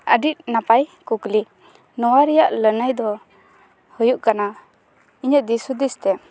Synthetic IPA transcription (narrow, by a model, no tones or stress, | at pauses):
ə̰ɖit̪̚napajkukli | nɔwaɾijaʔlənajd̪ɔ | hɔjuʔkana | iɲədisud̪ist̪ɛ